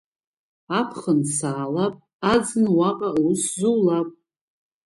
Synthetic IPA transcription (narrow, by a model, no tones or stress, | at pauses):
apʰχənsaːlapʼ | ad͡znɨwaqʼauszuwlapʼ